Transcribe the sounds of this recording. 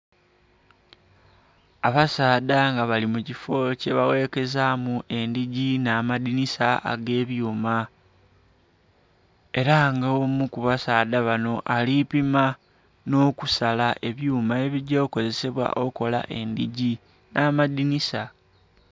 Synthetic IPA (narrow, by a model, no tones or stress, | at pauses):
aβasaːdaŋɡaβalimucifo̞ce̞βawe̞ke̞zamue̞ndiɟinaːmadinisaa̰ɡe̞ːβjuːma | e̞ɾaŋɡaomukuβasaːdaβano̞ʔalipima | no̞ːkusalaʔe̞βjuːmae̞βiɟoko̞ze̞se̞βwa̰ʔo̞ko̞la̰ʔe̞nd̪iɟi | naːmadinisa